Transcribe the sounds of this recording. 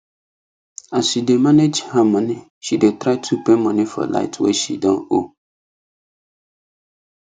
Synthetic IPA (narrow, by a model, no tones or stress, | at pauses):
asidemãned͡ʒhãmãnɪ̃ | ʃidetʰɾaɪtʰupʰẽmɔ̃nɪ̃fɔ̰la̰ɪtʰwɛ̰ʃḭdɔ̃o